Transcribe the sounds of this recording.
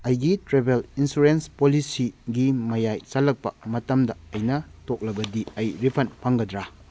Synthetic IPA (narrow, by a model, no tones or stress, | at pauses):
ɐjɡitɾebelinsuɾenspolisiɡimɐjajt͡ʃɐlɐk̚pɐ̰mɐtɐmdɐɐjnɐtok̚lɐbɐdiɐjɾipʰɐnpʰɐŋɡɐdɾa